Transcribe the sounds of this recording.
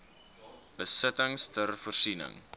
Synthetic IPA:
b̥əsətəŋstʰərfɔrsinə̰ŋ

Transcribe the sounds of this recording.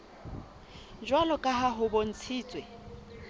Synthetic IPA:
d͡ʒwalɔkʼaɦaɦʊbon̩t͡sʰiːt͡sʼwe

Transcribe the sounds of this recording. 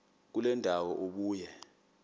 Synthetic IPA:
k̬ulɛndʱawɔʔoɓuːjɛ

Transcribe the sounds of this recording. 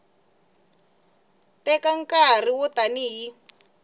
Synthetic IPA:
tɛkaŋ̩kar̤iwɔtaniɦi

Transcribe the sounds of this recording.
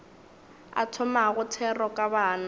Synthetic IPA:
a̰tʰɔmaɣʊtʰɛrɔkʼabaːna

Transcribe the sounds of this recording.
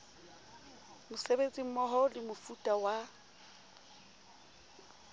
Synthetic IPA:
mʊsebet͡sʼim̩mɔɦɔlɪmʊfutʼawa

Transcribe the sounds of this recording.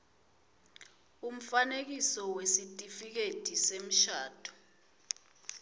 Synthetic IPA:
um̩fanek̬isɔwesitʼifik̬etisem̩ʃaːd̥ʰʱʼɔ̥

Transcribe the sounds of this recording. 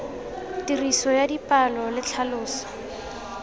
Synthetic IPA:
tirisɔjadipʼalɔlɪt͡ɬʰalʊːsɔ̥

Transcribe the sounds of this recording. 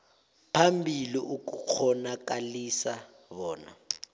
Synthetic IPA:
pʰambʱiliʔuk̬uk͡xʰɔnak̬ʼalisa | βɔːna̰

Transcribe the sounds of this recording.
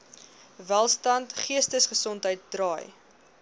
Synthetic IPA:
vælˠstɐntχiəstəsχəsɔntɦəjt̚drɑːj

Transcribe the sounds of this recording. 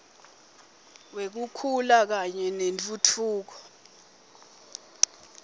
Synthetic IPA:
wek̬ukʰulak̬aɲɛnent͡fʼutʰuːk̬ɔ̥

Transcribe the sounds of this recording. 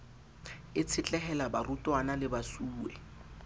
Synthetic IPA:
ɪt͡sʰɪt͡ɬʼɛɦɛlabarutʼwanalɪbasuːɛ̰

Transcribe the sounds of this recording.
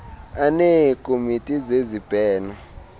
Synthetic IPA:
anekʼomitʼizezib̥ʼʱɛːnɛ

